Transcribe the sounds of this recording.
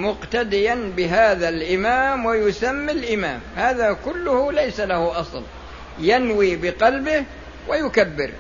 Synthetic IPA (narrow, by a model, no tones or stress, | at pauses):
mʊqt̪ad̪ɪjanbɪɦaːðalʔɪmaːmwajʊsamːɪlʔɪma̰ːmhaːðakʊlːʊhʊlajsalahʊʔɑsˤl | janwiːbɪqɑlbɪh | wʔajʊkabːɪ̰ɾ